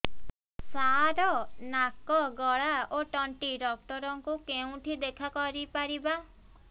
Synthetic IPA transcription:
saɾɔnakɔɡɔɭaoʈɔɳʈiɖɔk̚ʈɔɾɔŋkukeũʈ̪ʰid̪ekʰakɔɾipaɾiba

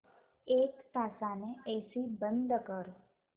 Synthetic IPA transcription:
ekt̪asaneesibənd̪ʱəkəɾ

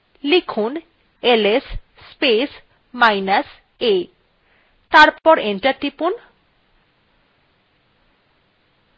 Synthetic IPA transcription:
likʰun | eles | spes | majnas | e | t̪aɾpɔɾenʈaɾʈipun

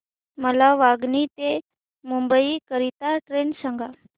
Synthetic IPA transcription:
məlaʋaɡnit̪e | mumbəikəɾit̪aʈɾensaŋɡa

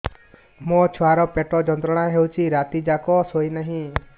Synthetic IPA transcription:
mot͡ʃʰɔaɾɔpeʈɔd͡ʒɔnt̪ɾɔɽ̃aɦewt͡ʃʰiɾat̪id͡ʒakɔsojnaɦĩ

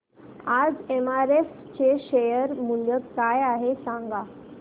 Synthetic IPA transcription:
ad͡zemaɾef | t͡ɕeɕejəɾm̤uɳɡəkajaɦesãŋɡa

